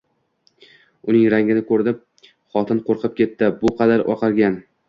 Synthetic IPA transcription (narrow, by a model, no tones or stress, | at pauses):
ʊnɪŋɾaŋʲɪnɪkʰɵɾd̪ɪp̚ | χɒt̪ʰɪnqʰoɾqʰɨp̚kʲe̞t̪ːɪbʊqʰɑd̪aɾʔɒ̰qʰɑɾɡʲan